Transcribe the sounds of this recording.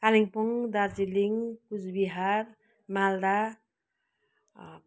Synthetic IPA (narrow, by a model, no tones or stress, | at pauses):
kaliŋpuŋd̪aɾd͡ziliŋkut͡sbiɦaɾ | mald̪a